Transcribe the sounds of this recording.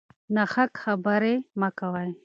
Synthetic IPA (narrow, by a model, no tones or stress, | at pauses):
naxakxabəɾemakawaj